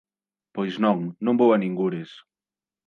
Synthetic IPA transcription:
pojznɔ̃ŋnõmbowanĩŋɡuɾes

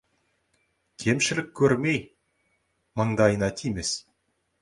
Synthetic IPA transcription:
kʲʰe̞mʃɪlɪkʲʰːɵɾmej | məɴd̪ɑjənɑt̪ʰijme̞s

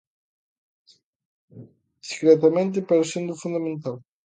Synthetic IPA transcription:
d̪i̥skɾet̪amẽnt̪̬epeɾsind̪ufund̪ament̪al

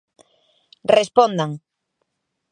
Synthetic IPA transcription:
respõnd̪aŋ

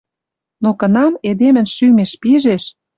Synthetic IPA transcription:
nokə̆nɑmed̪emɘ̆nʃymeʃpiʒeʃ

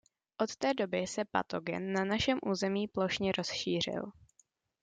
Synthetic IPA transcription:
ʔot̪t̪ɛːdo̞bɪsɛpa̰t̪o̞ɡɛ̰nːanaʃɛmʔuːzɛmiːplo̞ʃɲɛɾo̞sʃiːr̝ɪ̰l

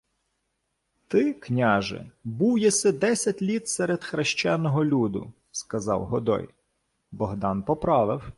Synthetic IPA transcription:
t̪ɪknʲɑʒɪ̰buwjɛsɛd̪ɛsʲɐtʲlʲit̪sɛɾed̪xɾeʃt͡ʃɛnːɔɦɔlʲud̪ʊ̰ | skɐzɑ̰wɦɔd̪ɔ̰j | bɔɦd̪ɑnpɔpɾɑʋɪw

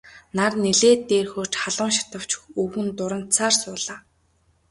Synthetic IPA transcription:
narneɮeːt̪ːeːrxoːt͡ɕχaɮʊːŋʃḁt̪ə̆w̥t͡ɕuwxɘ̆nt̪ʊɾə̆n̥t͡sʰaːrsʊːɮaː

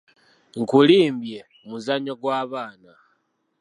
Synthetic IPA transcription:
ŋkuliːmbje̞ | muzaɲoɡwaːβaːna

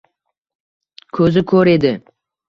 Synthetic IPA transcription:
kʰɵzɪkʰɵɾe̞d̪ɪ

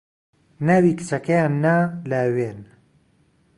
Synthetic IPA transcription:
nawikɨ̥t͡sɐkɐjaːnːalɐwen

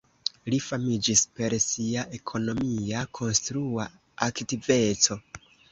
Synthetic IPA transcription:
lifamid͡ʒispe̞ɾsiaʔe̞kʰo̞no̞miakʰo̞nstɾua | aktive̞t͡so̞

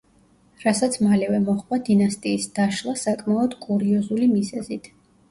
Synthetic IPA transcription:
ɾasat̪sʰmalɛvɛmɔχvad̪inast̪ʼiːsd̪̥aʃlˠasakʼmaɔd̪̥kʼuɾiɔzulimizɛzit̪ʰ

